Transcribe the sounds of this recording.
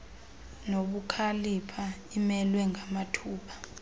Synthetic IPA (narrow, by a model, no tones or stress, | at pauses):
noɓukʰalipʰa | imɛlwɛŋɡʱamatʰuːɓḁ